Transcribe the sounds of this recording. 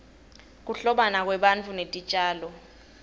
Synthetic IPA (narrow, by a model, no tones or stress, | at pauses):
k̬uɬɔɓanak̬wɛɓant͡fʰunetʼit͡ʃʼaːlɔ